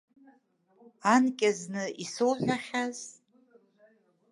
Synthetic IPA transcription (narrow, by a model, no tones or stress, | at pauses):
ankʲʼaznɨisowʒʷᶣaχʲaz̥